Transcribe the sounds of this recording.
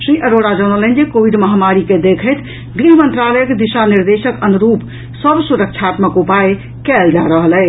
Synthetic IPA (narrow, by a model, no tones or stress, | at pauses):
sɾiʔəɾoɽad͡ʒəñəlɛnd͡ʒekobiɖməɦamaɾiked̪ekʰəjt̪ | ɡɾiɦəmənt̪ɾaləjəkd̪iʃaniɾd̪esəkənuɾup | səbsuɾək̚t͡ʃʰat̪məkupaj | kɛld͡ʒaɾəɦəlɛ